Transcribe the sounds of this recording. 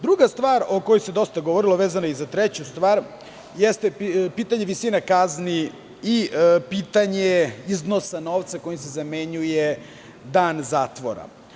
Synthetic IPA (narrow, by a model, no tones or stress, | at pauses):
d̪ɾuɡast̪ʋaːɾokojose̞d̪o̞st̪aɡoʋoɾilˠoʋeːzanaizat̪ɾet͡ɕust̪ʋaːɾ | jest̪epiːt̪aɲeʋisinakazni | ipiːt̪aɲeizno̞sano̞ʋt̪sako̞jimse̞zame̞ɲuje | d̪aːnzaːt̪ʋo̰ɾa̰